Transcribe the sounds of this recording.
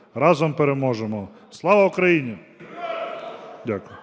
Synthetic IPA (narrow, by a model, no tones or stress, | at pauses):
ɾɑzɔmpeɾemɔʒemɔ | slˠɑʋɐukɾɐjinʲi | dʲakʊjʊ